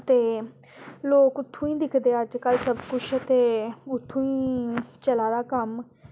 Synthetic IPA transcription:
t̪eː | loːkʊt̪ʰːõːĩːd̪ɪkʰd̪eːəd͡ʒkəlsəbkʊt͡ʃʰət̪eːʊt̪ʰːõːĩːt͡ʃəlaːd̪aːkəm

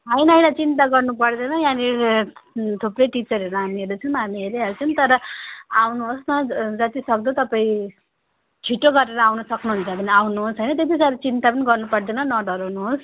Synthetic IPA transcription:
ɦajnʌjnat͡sint̪aɡʌrnupʌrd̪enʌjãniɾ | t̪ʰuprejʈit͡sʌɾɦeɾuɦamieɾut͡sʰʌnɦamiɦeɾeɦʌɾut͡sʰʌnt̪ʌɾʌawnuɦosnʌd͡zʌt̪isʌk̚d̪ot̪ʌpaĩ | t͡sʰiʈoɡʌɾeɾʌawnʌsʌknuɦunt͡sʰʌbʌniawnuɦosɦʌjnʌt̪jet̪isaɾt͡sint̪apʌniɡʌrnupʌrd̪enʌnʌɖʌɾawnuɦos

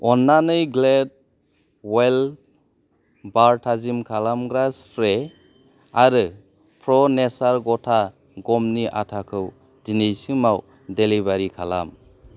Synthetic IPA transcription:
ɔnːanɯjɡled̚ | wel | baɾtʰazimkʰalamɡɾasɾe | aɾɯ | pʰɾɔnesaɾɡɔtʰa | ɡɔmniʔa̰tʰakʰɯw | dinejsɯmaw | delibaɾikʰala̰m

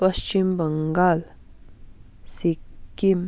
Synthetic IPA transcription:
pʌst͡ʃimbəŋɡal | sikːim

